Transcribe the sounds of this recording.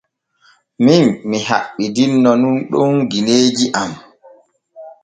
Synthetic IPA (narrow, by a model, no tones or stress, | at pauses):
minmiɦa̰ɓːidinːɔnunɗɔnɡineːd͡ʒiʔam